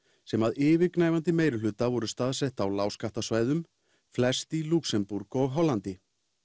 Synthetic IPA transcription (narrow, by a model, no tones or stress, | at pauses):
sɛmaðɪːvɪɾknaːjvant̪ɪmeːjɾʏlʏːt̪avɔɾʏst̪aːðsɛht̪awlaːwskaht̪asvaːjðʏm | flɛst̪iluksɛmpuɾkɔɣɦɔlːant̪ɪ